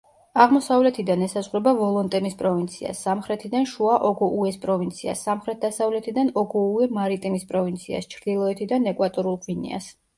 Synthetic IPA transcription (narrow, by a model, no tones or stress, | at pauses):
aʁmɔsavlɛt̪ʰid̪anɛsazʁwɾɛbavɔlˠɔnt̪ʼɛmispʼɾɔvint̪sʰia̰sːamχɾɛt̪ʰid̪anʃuaʔɔɡɔʔuɛspʼɾɔvint̪sʰia̰sːamχɾɛt̪̚d̪̥asavlɛt̪ʰid̪anɔɡɔuɛmaɾit̪ʼimispʼɾɔvint̪sʰia̰st͡ʃʰɾd̪ilˠɔɛt̪ʰid̪anɛkʼwat̪ʼɔɾulˠqʼvinḭa̰s